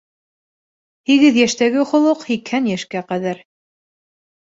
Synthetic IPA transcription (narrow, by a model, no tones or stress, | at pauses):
hiɣɘðjæʃt̪æɡɘχŏlˠɤqhikhænjæʃkæqæðæɾ